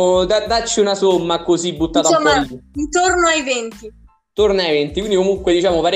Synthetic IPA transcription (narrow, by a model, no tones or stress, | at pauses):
d̪ad̪at͡ʃːiunasomːakosibːut̪ːaːt̪aomant̪ornoajvɛnt̪i | t̪ornajvent̪ikwind̪ikomuŋkwed̪it͡ʃaːmopaɾ